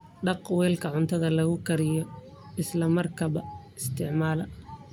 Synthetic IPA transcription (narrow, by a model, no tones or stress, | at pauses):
ɖɑqwɛːlkʰɐʕʊnt̪ʰɐðɐlɐɣʊkʰɐɾɪjɔ | ɪslɐmɐrkʰɐβɐ | ɪst̪ʰɪʕmaːlɐ